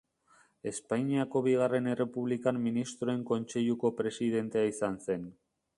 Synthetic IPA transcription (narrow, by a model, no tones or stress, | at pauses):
e̞spajɲiako̞βiɣ̞are̞ne̞re̞puβ̞likamːinist̪ɾo̞e̞ŋko̞nt͡se̞ʎuko̞pɾe̞sið̞e̞nt̪eaisanse̞n